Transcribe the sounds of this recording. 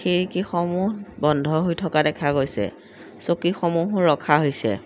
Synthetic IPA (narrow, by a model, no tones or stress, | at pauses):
xeɹikixɔmuɦbɔndʱɔɦojtʰɔkadɛkʰaɡojsɛ̰ | sokixɔmuɦʊɹːɔkʰaɦojsɛ̰